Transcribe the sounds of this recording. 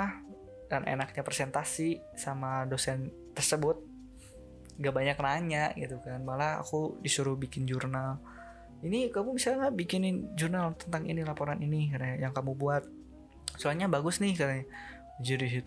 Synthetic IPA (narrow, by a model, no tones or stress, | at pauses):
a | d̥anʔḛnak̚ɲapɾesɛnt̪asi | samadosɛn | t̪ərsəbʊt̪̚ | ŋɡaʔbaɲak̚naɲaɡit̪ukanmalaa̰kudisuɾʊhbikɪnd͡ʒurnal | inikamumisalɲabikɪnɪnd͡ʒurnalt̪ənt̪aŋḭnilapoɾaninikaɾaɲajaŋkamubuat̪̚ | suaɲabaɡʊsnɪhkaɾaɲa | d͡ʒudis̬it̪